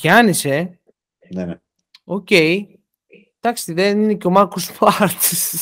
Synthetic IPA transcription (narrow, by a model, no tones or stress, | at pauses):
çɐnise̞ | ne | oce̞j | t̪ɐkst̪iðenineco̞makospɐɾt̪is